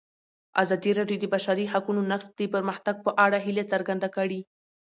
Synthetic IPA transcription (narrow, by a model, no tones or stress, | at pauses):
a̰zɑd̪iɾɑɖjod̪əbaʃaɾiɦakunonaqsd̪əpəɾməxt̪aɡ̚pəʔaɽaɦilet͡səɾɡand̪akəɽi